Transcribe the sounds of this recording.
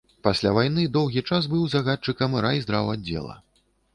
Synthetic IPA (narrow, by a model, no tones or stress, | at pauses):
pasʲlʲavajnɨd̪ɔwɣʲit͡ʂas̬bɨwzaɣat̪̚t͡ʂɨkɐmɾaizd̪ɾawadʲd͡zʲɛ̰lˠɐ̰